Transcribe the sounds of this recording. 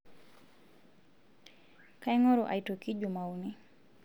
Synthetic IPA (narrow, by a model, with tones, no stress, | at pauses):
ka˦iŋɔ˦ɾo˨ʔa̰˨ito˨ki˦d͡ʒu˨ma˨uni